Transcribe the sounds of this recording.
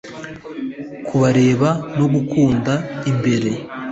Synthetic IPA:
kʰuβaɾeːβano̞ɡukuːndaimbe̞ɾe̞

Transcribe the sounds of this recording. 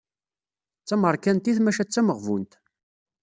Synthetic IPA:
t͡sːæməɾˤkænt̪iθmæʃæt͡sːæməʁvṵnt̪

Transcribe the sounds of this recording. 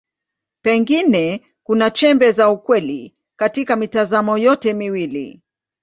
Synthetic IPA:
pɛŋɡinɛ | kunat͡ʃɛmbɛzaukwɛlḭ | katikamitazamɔjɔtɛmiwilḭ

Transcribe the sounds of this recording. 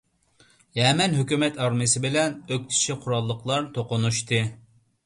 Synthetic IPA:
jɛmɛnɦøkʲymɛt̪ɑɾmɨsɪbɪlɛnøk̚ʲt̪ʰi̥ʃiqʰʊɾɑlˠːəqʰlˠɑɾt̪ʰoqʊnuʃt̪ɨ

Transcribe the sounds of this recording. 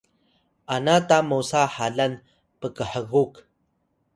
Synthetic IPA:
ʔanatamusaħaɮan | pəkəħəɣuk

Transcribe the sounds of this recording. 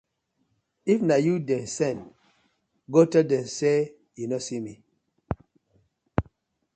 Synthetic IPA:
ifnajudɛnsɛn | ɡotɛdɛ̃nse | junosimi

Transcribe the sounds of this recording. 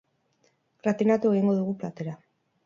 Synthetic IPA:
ɡɾat̪inat̪ueɣiŋɡo̞ðuɣuplat̪e̞ɾa

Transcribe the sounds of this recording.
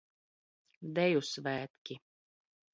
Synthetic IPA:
d̪ɛjusvæːt̪kʲi

